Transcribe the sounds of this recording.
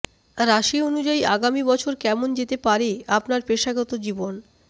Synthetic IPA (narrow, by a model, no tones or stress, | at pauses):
ɾaʃionud͡ʑaiaɡamibɔt͡ɕʰoɾkɛmond͡ʑet̪epaɾeapnaɾpeʃaɡɔt̪od͡ʑibon